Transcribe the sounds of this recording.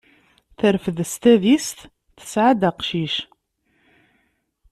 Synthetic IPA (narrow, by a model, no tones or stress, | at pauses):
θəɾfəðst̪æðist̪ | θə̥sʕad̪əqʃiʃ